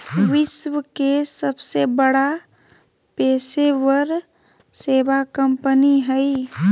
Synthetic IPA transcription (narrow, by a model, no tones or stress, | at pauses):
ʋɪswəkesəbsebəɽa | peːsewəɾ | seːʋakəmpəniɦəi